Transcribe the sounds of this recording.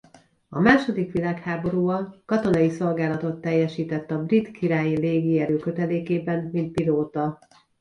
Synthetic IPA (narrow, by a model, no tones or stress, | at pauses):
ɒ̰maːʃo̞d̪ikʋilaːkhaːbo̞ɾuːɒlkɒt̪o̞nɒjiso̞lɡaːlɒt̪o̞t̪ːɛjːɛʃiːt̪ɛt̪ːɒbrit̪kiɾaːjileːɡiɛɾøːkø̞t̪ɛleːkeːbɛnmint̪̚piloːt̪ɒ